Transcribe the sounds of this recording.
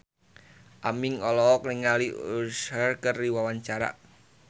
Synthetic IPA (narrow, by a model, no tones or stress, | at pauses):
ʔamiŋɔlɔkniŋaliusərkərːiwawaɲt͡ʃaɾa̰ʔ